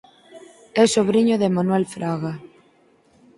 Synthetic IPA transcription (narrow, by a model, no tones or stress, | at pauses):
ɛsoβɾiɲoðemanwɛlfɾaɣa